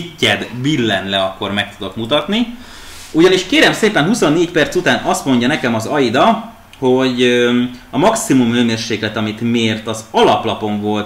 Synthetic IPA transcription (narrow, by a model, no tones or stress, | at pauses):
cːɛd̪bilːɛnlɛɒkːo̞rmɛk̚t̪ud̪okmut̪ɒt̪ni | uɟɒniʃkeːɾɛmseːpɛnɦuso̞nːeːcpɛrt̪sut̪aːnʔɒst̪mo̞ɲɟɒnɛkɛmɒzɒjid̪ɒ | ho̞ɟ | ɒmɒksimumøːmeːrʃeːklɛt̪ɒmit̪meːrt̪ɒzɒlɒplɒpo̞ɱvo̞lt̪